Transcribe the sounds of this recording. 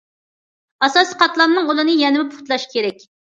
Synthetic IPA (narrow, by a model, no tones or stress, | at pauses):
ɑsɑsiqʰɑt̪lˠɑnːɨŋulˠɨnɨjɛnɪmɪpʰʊ̥χt̪lˠɑʃkʲʰeɾɛk̚ʲ